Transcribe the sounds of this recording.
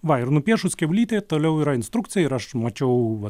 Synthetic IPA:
ʋɐɪrnʊpʲiɛʃʊsʲkʲɛʊlʲiːt̪ʲet̪oːlʲɛʊɪɾɐɪnst̪ɾukt̪sʲɪjɛɪɾɐʃmɐt͡ʃʲɛʊʋɐ

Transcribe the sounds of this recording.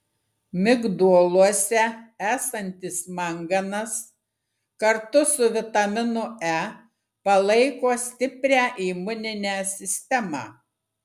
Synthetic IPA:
mʲɪɡd̪uɔlˠuɔsʲɛæːsɐnʲt̪ʲɪsmɐŋɡɐnɐs | kɐɾt̪ʊsʊʋʲɪt̪ɐmʲɪnʊæ | pɐlˠɐɪkoːsʲt̪ʲɪpʲɾʲæːʔiːmʊnʲɪnʲæːsʲɪsʲt̪ʲɛmɑ̰ː

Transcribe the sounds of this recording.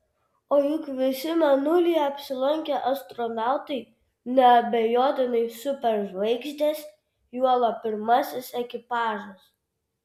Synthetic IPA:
oːjʊkʋʲɪsʲɪmʲɛnʊlʲijɛɐpʲsʲɪlˠɐŋʲkʲɛʔɐst̪ɾɔmʲæˑlˠt̪ɐɪ | nʲɛɐbʲɛjoːt̪ʲɪnɐɪsʊpʲɛɾʒʋɐɪɡsʲd̪ʲeːs | juɔlˠɐpʲɪɾmɐsʲɪsɛkʲɪpɑːʒɐs

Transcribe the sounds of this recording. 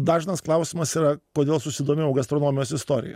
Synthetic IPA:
d̪ɑːʒʲɪnɐsklˠɐʊsʲimɐsiːɾɐkoːd̪ʲeːlˠsʊsʲɪd̪oːmʲejɛʊɡɐst̪ɾoːnoːmʲɪjoːsɪst̪oːɾʲɪ̰jɛ̰

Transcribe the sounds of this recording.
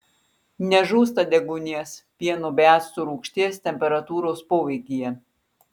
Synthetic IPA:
nʲɛʒuːs̬t̪ɐd̪ʲɛɡʊnʲiɛspʲiɛnubʲæːt̪st̪ʊɾuːkʃʲt̪ʲiɛst̪ʲɛmʲpʲɛɾɐt̪uːɾoːspoːʋʲɛɪkʲijɛ

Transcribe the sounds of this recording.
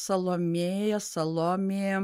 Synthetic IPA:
sɐlˠoːmʲeːjɛsɐlˠoːmʲejɛ

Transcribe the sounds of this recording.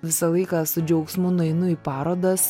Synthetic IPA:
ʋʲɪsɐlˠɐɪkɑsʊd͡ʒʲɛʊksmʊnɐɪnʊiːpɑːɾoːd̪ɐs

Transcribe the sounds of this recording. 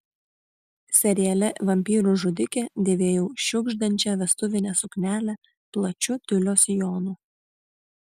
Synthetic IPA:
sʲɛɾʲɪjɛlʲɛʋɐmʲpʲiːɾuʒʊd̪ʲɪkʲed̪ʲeːʋʲeːjɛʊʃʲʊɡʒd̪ɐnʲt͡ʃʲɛʋʲɛst̪ʊʋʲɪnʲɛsʊknʲæːlʲɛ | plˠɐt͡ʃʲʊt̪ʲʊlʲoːsjoːnuː

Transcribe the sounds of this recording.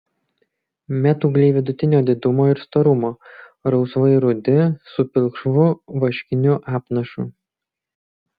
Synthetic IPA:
mʲæt̪uːɡlʲɛɪʋʲɪd̪ʊt̪ʲɪnʲoːd̪ʲɪd̪ʊmoːɪɾst̪oɾʊmoː | ɾɒʊsʋɐɪɾʊd̪ʲɪsʊpʲɪlˠʲkʃʋʊʋɐʃʲkʲɪnʲʊʔɑːpnɐʃuː

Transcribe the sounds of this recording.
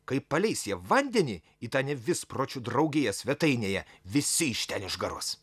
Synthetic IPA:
kɐɪpɐlʲɛɪsʲjiɛʋɐnʲd̪ʲɛnʲiː | it̪ɑːnʲɛʋʲɪspɾoːt͡ʃʲud̪ɾɐʊɡʲeːjɛsʲʋʲɛt̪ɐɪnʲeːjɛʋʲɪsʲɪiʃʲt̪ʲɛnɪʒɡɐɾoɔs

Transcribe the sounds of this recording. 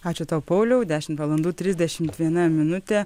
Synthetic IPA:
ɑːt͡ʃʲʊt̪ɐwpɐʊlʲɛʊd̪ʲæːʃʲɪmt̪ʋɐlˠɐnd̪uːt̪ʲɾʲɪzʲd̪ʲɛʃʲɪmt̪ʋʲiɛnɐmʲɪnʊt̪ʲe

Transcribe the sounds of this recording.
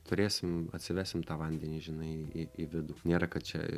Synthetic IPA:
t̪ʊɾʲeːsʲɪmɐ̰tʲsʲɪʋʲæːsʲɪmt̪ɑːʋɐnʲd̪ʲɛnʲiːʒʲɪnɐɪiɪiʋʲɪd̪uːnʲeːɾɐkɐt̪̚t͡ʃʲɛ̰

